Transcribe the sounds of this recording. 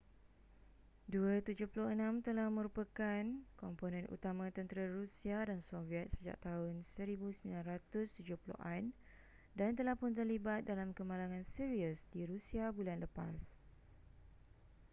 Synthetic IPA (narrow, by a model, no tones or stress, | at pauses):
duət̪ud͡ʒʊhpuluhənãmt̪əlahmə̃ɾupəkankɔmponɛ̃nṵt̪amãt̪ənt̪əɾəɾusiadansoviɛt̪̚səd͡ʒa̰ʔ̚t̪aʊnsəɾibusəmilanrat̪ʊst̪ud͡ʒʊhpulṵʔan | dant̪əlahpʊnt̪̬ərlibat̪̚dalamkəmãlaŋãnsiɾiusdiɾusiabulanləpas